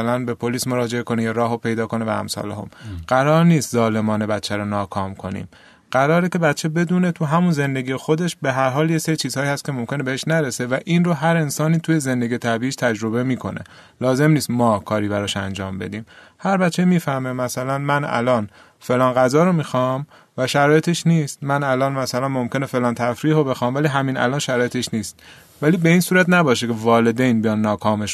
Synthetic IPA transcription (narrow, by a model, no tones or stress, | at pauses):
lænbepʰoliːsmo̞ɾɒːd͡ʒeekʰonejeɾɒːɦopʰe̞jd̪ɒːko̞nevææ̰msɒ̰ːleɦo̰mɢ̥æɾɒːɾniːst̪zɒːle̞mɒːne̞bæt̪t͡ʃʰæɾonɒːkʰɒːmkʰo̞nḭːm | ɢ̥æɾɒːɾece̞bæt̪t͡ʃʰːe̞be̞d̪uːnet̪ʰuɦæmunze̞nd̪e̞ɡijexo̞d̪e̞ʃbe̞ɦæɾɦɒːljeseɾiːt͡ʃʰiːz̥hɒːiːhæst̪kcʰe̞mo̞mcʰʲe̞nebeheʃnæɾesevæʔiːnroɦæɾe̞nsɒːniːt̪ʰuːjeze̞nd̪e̞ɡiːjet̪ʰæbiːiːʃt̪ʰæd͡ʒɾo̞βe̞miːkʰo̞̰nʔḛ | lɒːze̞mniːst̪mɒːkʰɒːɾiːbæɾɒʃæ̰nd͡ʒɒːmbe̞̰d̪iːm | hæɾbæt̪t͡ʃʰːemiːfæɾmemæsælænmænæ̰lɒːn | fe̞lɒːnɣæzɒːɾomiːxɒm | væʃæɾɒːje̞t̪ʰeʃniːst̪mænælɒːnmæsælænmomcʰʲe̞nefe̞lɒːnt̪ʰæfɾiːɦobe̞xɒːmvæliːɦæmiːnæ̰lɒːnʃæɾɒːjet̪ʰeʃniːst̪ | væliːbe̞iːnsuːɾæt̪næbɒːʃekʰe̞vɒːle̞d̪ejnbijɒnːɒːkʰɒːmeʃ